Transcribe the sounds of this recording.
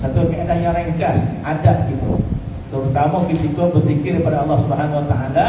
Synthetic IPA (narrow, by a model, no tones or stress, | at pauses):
sat̪ukeenaʔɲaɾeŋkas | adaʔ̚ɡit̪ṵ | t̪əɾut̪amakit̪ikɔbərt̪ikɪrkəpadaɑlːɑhsubəɦanwat̪aʔala